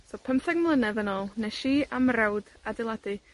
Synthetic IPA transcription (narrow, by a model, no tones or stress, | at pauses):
sɔpʰəmθɛɡmlˠənɛðənɔlˠnɛʃiːamrɛwd | adɪlˠadɨ